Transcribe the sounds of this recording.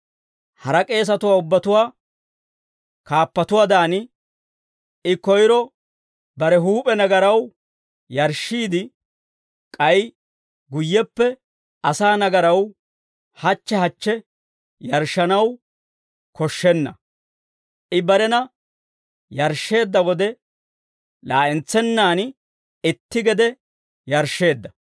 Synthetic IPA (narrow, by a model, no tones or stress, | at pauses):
hɐɾɐkʼe̞ːs̬ɐt̪ʊwaːʊbːɐt̪ʊwaː | kaːpːɐt̪ʊwaːd̪aːnɪ | ʔɪkːɔjɾɔ | bɐɾɛɦuːpʼɛnɐɡɐɾɐw | jɐɾʃːiːd̪ɪ | kʼɐj | ɡʊjːɛpːɛ | ɐsaːnɐɡɐɾɐw | hɐt͡ʃːɛɦɐt͡ʃːɛ | jɐɾʃːɐnɐw | kɔʃːɛnːɐ | ʔɪbɐɾɛnɐ | jɐɾʃːe̞ːd̪ːɐwɔd̪ɛ | laːʔɛnt͡sːɛnːaːn | ɪt̪ːɪɡɛd̪ɛ | jɐɾʃːe̞ːd̪ːɐ